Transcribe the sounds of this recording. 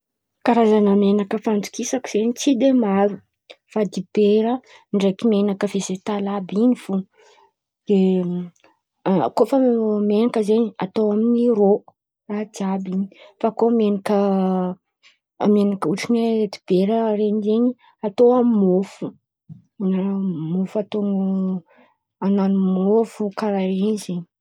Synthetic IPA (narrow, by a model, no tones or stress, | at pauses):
kaɾazanamenakəfand͡z̪u̥kisaki̥z̥eɲit͡sid̪emaɾu | fad̪ib̥eɾə | ɳɖ͡ʐekimenakəvezet̪alabinifu | d̪̥e | kofəmenakəzeɲiat̪oaminiro | raɦt̪iabiɲifakomenakə | menakəuʈ͡ʂinet̪i̥b̥eɾəreɲizeɲi | at̪oamimofu̥ | inamofat̪oŋ | ananumofukaɾaɾenizeɲi